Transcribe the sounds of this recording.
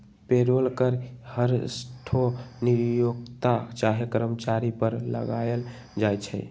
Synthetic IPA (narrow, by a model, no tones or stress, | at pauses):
peɾolkəɾhəɾsʈʰoniɾjoɡt̪at͡ʃaɦekəɾəmət͡ʃaɾipəɾlə̰ɡajl | d͡ʒajt͡ʃʰɛ̰ɪ